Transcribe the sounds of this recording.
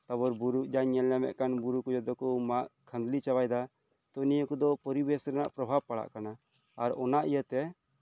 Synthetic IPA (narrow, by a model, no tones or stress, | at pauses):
t̪abɔɾbuɾuʔd͡ʒaɲɛljamɛ̰ʔkanbuɾukɔd͡ʒɔd̪ɔkɔmaʔkʰə̃nd̪lit͡ʃawajd̪a | t̪ɔnijəkɔd̪ɔpɔɾibɛsɾɛna̰ʔpɾɔbʱab̚paɽa̰ʔkanaː | ɾɔnaʔijət̪ɛ